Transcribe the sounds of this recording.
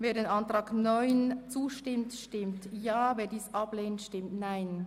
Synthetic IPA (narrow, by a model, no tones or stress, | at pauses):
veːɐɾeːnɑntʁaːɡnɔʏnt͡suːʃtɪmtʃtɪmtjaːveːdiːsʔɑb̥leːntʃtɪmtnaɪn